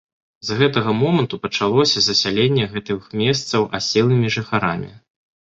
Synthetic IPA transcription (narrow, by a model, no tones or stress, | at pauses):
zɣɛt̪ɐɣɐmɔmɐnt̪upɐt͡ʂalˠɔsʲɐzɐsʲalʲenʲːɛɣɛt̪ɨxmʲɛst̪sɐwʔa̰sʲɛlˠɨmʲiʐɨxaɾamʲḭ